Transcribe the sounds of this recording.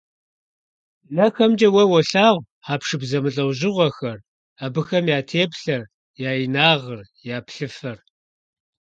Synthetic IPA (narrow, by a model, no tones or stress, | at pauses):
nɐxɐmd͡ʒʼɐwɐwɐɬaːʁʷ | aːpʂɨbzɐmɨɬʼɐwʑɪʁʷɔxɐr | abɨxɐmjaːtʰeːpɬɐr | jaːjinaːʁər | jaːpɬɨfɐr